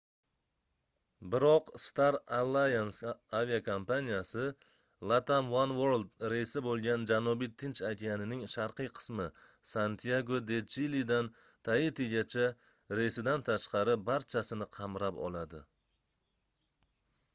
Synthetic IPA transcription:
bɪɾɒqst̪aɾalˠːajansaviakʰompanijasɪ | lˠat̪amwanwoɾlˠd̪ɾe̞jsɪbolˠɡʲand͡ʒanubijt̪ʰɪnt͡ʃakʲijanɪnɪŋʃaɾqɨjqʰɨ̥smɪsant̪ʰijaɡod̪e̞t͡ʃilid̪an | t̪ʰajɪt̪ʰeɡʲat͡ʃʰa | ɾejsɪd̪ant̪ʰaʃqɑɾɪbaɾt͡ʃʰasɪnɪqʰɑmɾapɒ̰lˠad̪ɪ

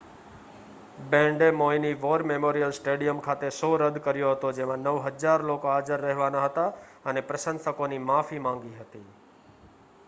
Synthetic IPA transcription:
bɛ̃ɳɖemoiniʋoɾmemoɾijəlsʈeɽijəmkʰat̪esoɾəd̪kəɾjoɦət̪od͡ʒemãnəʋɦəd͡ʒaɾlokoaːd͡ʒəɾːəɦʋanaɦət̪aənepɾəsənsəkonimafimãŋɡiɦət̪i

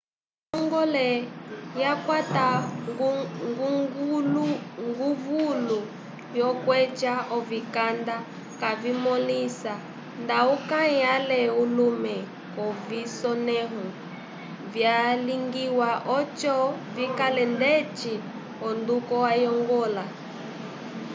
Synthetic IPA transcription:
jɔŋɡɔlɛjakwata | ŋɡuŋɡluŋɡuvulu | jɔkwɛt͡ʃaɔvikanda | kavimɔlisa | ndaukaialɛulumɛ | ɔvisɔnɛɦu | vjaliŋɡiwaʔɔt͡ʃɔvikalɛndɛt͡ʃi | ɔndukɔwajɔŋɡɔla

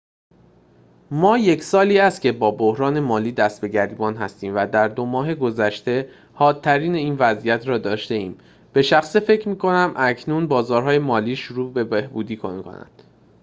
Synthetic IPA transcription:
mɒːje̞cʰsɒːliːæst̪̚cʲʰe̞bɒːbohɾɒːne̞mɒːliːd̪æst̪̚be̞ɟæɾiːbɒːnɦæst̪iːmvæd̪æɾd̪o̞mɒːɦe̞ɡozæʃt̪e̞ | hɒːt̪̚ʰːæɾiːneiːnvæzijæt̪ʰɾɒːd̪ɒːʃt̪e̞iːm | b̥e̞ʃæxsefe̞cʰɾmiːkʰo̞næmʔæcʰnunbɒːzɒːɾɦɒːje̞mɒːliːʃuɾuːbe̞behbuːd̪iːkʰo̰nkʰo̰næ̰nd̪̥

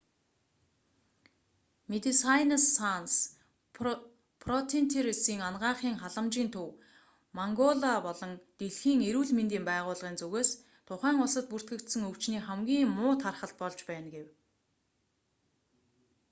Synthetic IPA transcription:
met̪isajnasːans | pʰrɔt̪ʰint̪ʰeɾisiːŋanɢaːχiːŋχaɮə̆mt͡ɕiːnt̪ʰɵw | maŋɡɔɮapɔɮɞ̆ŋt̪eɮxiːŋeɾuːɮment̪iːmpæːʁʊːɮʁiːnt͡sɵɣeːs | t̪ʰʊχæːŋʊɮsə̆t̪̚pur̥t̪ɡɘ̆kt̪sɘ̆ŋɵw̥t͡ɕniːχæmɡʲiːŋmʊːt̪ʰarχə̆ɬt̪̚pɔɮt͡ɕpæːnɡew

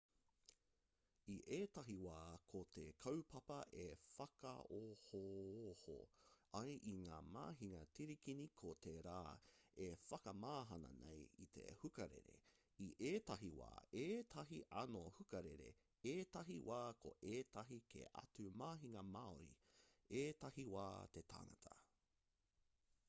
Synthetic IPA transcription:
iʔeːtɐɦiwaːkʰotʰekʰɐwpʰɐpɐʔefɐkɐ̰ohooho̰ɐjʔiŋaːma̰ːɦiŋɐtiɾikinikʰot̪ʰeɾaːefɐkɐmaːɦɐnɐ̰nḛjit̪ʰḛhukɐɾḛɾḛ | iʔeːtɐɦiwa̰ːeːtʰɐɦiʔɐnohukɐɾeɾe̞̰ | eːtɐɦiwaːkʰo̰ʔeːtɐɦikʰḛʔɐ̰tʉmaːɦiŋɐmaːoɾḭeːtɐhiwaːt̪etʰa̰ŋɐtʰɐ

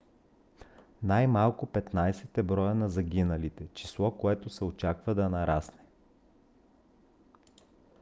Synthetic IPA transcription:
najmalˠkʊpɛt̪najsɛt̪ɛbɾɔjənɐzɐɡʲinɐlit̪ɛt͡ʃi̥slˠɔkoɛt̪ʊsɛot͡ʃakvɐd̪ɐnɐɾasnɛ

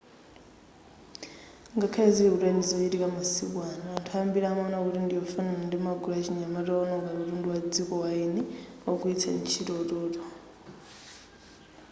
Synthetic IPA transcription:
ŋɡakʰaeziuɾanizojiɾikamasḭwwanaantʰambiɾamanaβuɾiːndijofananandimaɡulaciɲamaɾonoŋɡaβiɾuːndiwad͡zikowainiokuitʰa̰nicʰiɾoɾoto

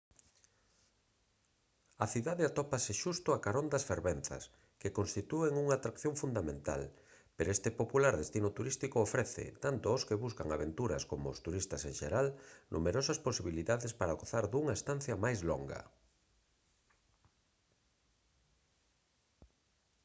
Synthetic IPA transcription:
ɐθiðaðeat̪ɔpasɪʃust̪ʊakaɾond̪ɐsfeɾβenθɐ̰s | kekonst̪it̪ueŋuŋaːt̪ɾakθjõɱfund̪amẽnt̪a̰l | peɾest̪epopulaɾðest̪inʊt̪uɾist̪ikoːfɾɛθɪ̰t̪ant̪ʊoskeβuskaŋa̰βent̪uɾɐ̰skomʊ̰ːst̪uɾist̪ɐsẽŋʃeɾalnʔṵmeɾɔsɐsposiβ̞iliðaðespaɾaɣoθaɾðuŋaest̪an̟θjɐmajzlɔ̰ŋɡɐ̰

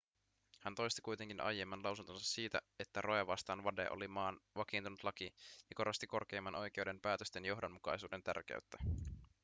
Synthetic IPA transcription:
hænt̪o̞jst̪i̥kujt̪e̞ŋk̟inʔɑ̰jːemːænlɑwsunt̪onsɑsːiːt̪æ̰e̞t̪ːæro̞jɑʋɑst̪ɑːnʋɑdḛʔo̰limɑːnʋɑk̟iːnt̪unut̪lɑk̟ijɑko̞ɾost̪iko̞rk̟e̞ːmːɑnʔo̞jk̟e̞uwde̞mpæːt̪øst̪e̞njo̞ɦdonmːukɑ̰jsuːde̞nt̪æ̰rk̟ḛɥt̪ːæ

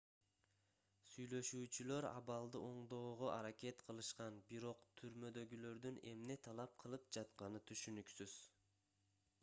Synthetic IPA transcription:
syjlø̞ʃyːt͡ʃylø̞ɾɑ̰βɑlˠd̪ɯʔo̞ɴd̪o̞ːʁoʔɑɾakʲe̞t̪qʰɯlˠɯʃqɑnbiɾo̞qt̪ʰyɾmø̞d̪ø̞ɡylø̞ɾd̪yne̞mne̞t̪ʰɑlˠɑp̚qʰɯlˠɯp̚d͡ʒɑt̪qɑnɯt̪ʰyʃynyksyz̥

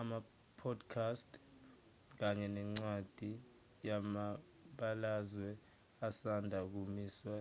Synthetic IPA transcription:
ama | pʰɔdkʰastʰ | k̬aɲɛnɛŋ͡ǀwad̥ʱi | jama | ɓalazwɛ | asandʱak̬umiːswɛ

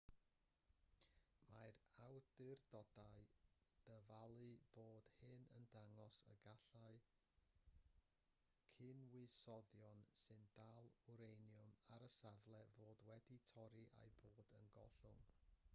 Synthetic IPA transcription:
majrawdɨrdɔdaɨd̥əvalˠɨb̥oːd̥hɨnə̰ndaŋɔsə̰ɡaɬaɨ | kʰɨnwɪsɔðjɔnsɨnd̥alˠuɾejnjʊmaɾəsavlˠɛvoːdwɛditʰɔɾiʔa̰jboːdənɡɔɬʊ̰ŋ

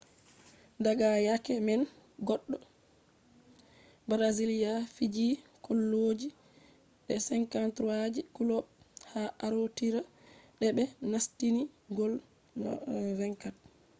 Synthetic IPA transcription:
daɡajakɛmɛn | ɡɔɗːɔ | bɾazilijafid͡ʒiːkɔlːod͡ʒi | ɗɛsɛŋkantɾuwad͡ʒikulɔɓ | haʔaɾotiɾaɗɛbɛnastiniɡɔl | vɛŋkat̚

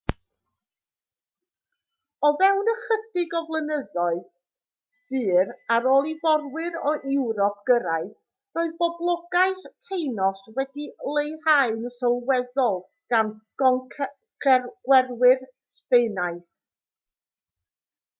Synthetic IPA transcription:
ɔvɛwnəχəθdɪɡɔvlˠənəðɔɨð | d̥ɨːɾaɾɔːlˠivɔrwɪɾɔʔɪwɾɔpʰɡ̥əɾaɨθ | roɨðbɔblˠɔɡaɨθtʰejnɔswɛdilˠejhaɨnsɔlˠwɛðɔlˠ | ɡ̥anɡ̥ɔŋkʰ | kʰɛɡ̥wɛrwɪr | spejnaɨθ

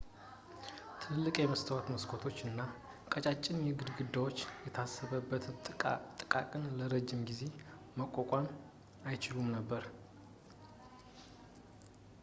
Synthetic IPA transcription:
t̪ʰɨlːɨkʼjɛməst̪ʰəwat̪məskʰot̪ʰo̞t͡ʃːɨnːa | kʼət͡ʃʼat͡ʃʼːɪnjɛɡɨd̪ɡɨd̪ːawo̞t͡ʃːjɛt̪ʰasːəβəbːət̪ʰʼt̪ʼɨkʼakʼɨnləɾəd͡ʒːɪmɡize̞ | məkʼːokʼam | ajt͡ʃɪlumnəbːəɾ

